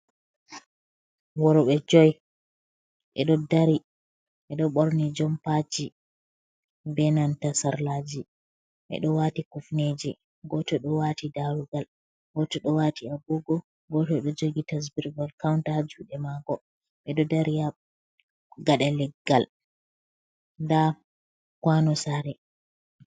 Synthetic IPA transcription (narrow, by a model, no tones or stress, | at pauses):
wɔɾɔɓɛd͡ʒɔj | ɓɛ̰ɗɔdaɾi | ɓɛɗɔɓɔɾnid͡ʒɔmpat͡ʃi | bɛnantasaɾlaːd͡ʒi | ɓɛ̰ɗɔwatikufned͡ʒi | ɡɔtɔɗɔwatidaɾuɡal | ɡɔtɔɗɔwatiabuɡɔ | ɡɔtɔɗɔd͡ʒoɡitas̬biɾbalkawntaad͡ʒuɗɛmaɡɔ | ɓɛɗɔdaɾia | ɡaɗɛlɛɡːal | nda | kwanɔsaɾɛ